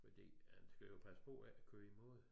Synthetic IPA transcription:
fɒd̥ḭːhænsɡ̥æjopʰæsə̥pʰɒ̽kʰøːimo̝ð̰ˠ

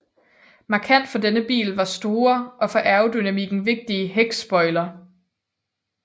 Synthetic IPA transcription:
mɑ̈kʰæn̰d̥fɒ̽denəb̥ḭːlʋɑ̈sd̥o̝ːɐʔɒ̽fɒ̽ʔæɐʊd̥ynæmiɡ̥n̩ʋe̝ɡ̥̚d̥iəɦeɡ̥sb̥ɒ̽ɪlɐ

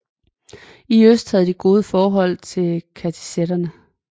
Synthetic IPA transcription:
iøsd̥hæð̞̩ˠd̥iɡ̥o̝ːð̞ˠəfɒːɦɒ̽l̰t͡sʰe̝lkʰæt͡sʰi̥seɾ̥ɐnə

